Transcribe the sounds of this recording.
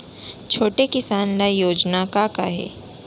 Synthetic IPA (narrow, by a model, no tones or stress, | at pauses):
t͡ʃʰoːʈekɪsaːnlajoːd͡ʒnakakaɦḛː